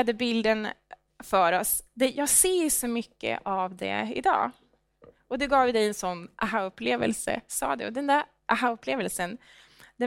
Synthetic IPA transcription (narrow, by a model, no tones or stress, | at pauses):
ad̪əbɪld̪ən | fœːɾɔsd̪ɛjɑːɡseːʂɔmʏkːə̰ʔavd̪ɛ̰ɪ̰d̪ɑ̰ː | ɔd̪ɛɡɑːvjd̪ɛjɛnsɔnːʔaɦaɵpːleːvə̰lsə̰sɑ̰ːd̪ɛ̰ɔd̪ɛnd̪æːɾ | ʔaɦaɵpːleːvəlsən | d̪ɛ